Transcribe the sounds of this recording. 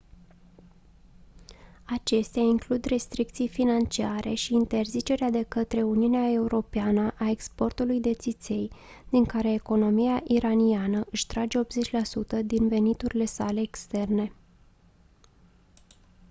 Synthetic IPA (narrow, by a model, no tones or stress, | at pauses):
at͡ʃe̞st̪eaiŋklud̪re̞st̪ɾik̚t̪sijfinant͡ʃiaɾe̞ʃiːnt̪e̞rzit͡ʃe̞ɾead̪e̞kət̪ɾe̞uniuneae̞uɾo̞peanəʔae̞kspo̞rt̪ulujd̪e̞t̪sit̪se̞j | d̪̥iŋkaɾe̞ːko̞no̞mijaʔiɾanianəʔɨʃt̪ɾad͡ʒe̞o̞pze̞t͡ʃʲlasut̪əd̪inve̞nit̪uɾile̞sale̞ːkst̪e̞rne̞